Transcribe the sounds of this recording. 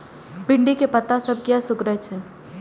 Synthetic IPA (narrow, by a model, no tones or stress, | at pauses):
bɪɳɖikepɐt̪asɐb̚kjasʊkɾəɦet͡ʃʰɛ